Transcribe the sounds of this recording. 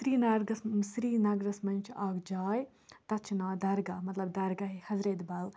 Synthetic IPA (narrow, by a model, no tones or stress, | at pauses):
sɾiːnaːɾɡɐssɾiːnaːɡɾɐsmɐnt͡ʃʰaːɡd͡ʒaːj | t̪ɐt͡ʃʰnaːd̪ɐɾɡamɐt̪lɐbd̪ɐɾɡaɦihɐzɾeːt̪baːl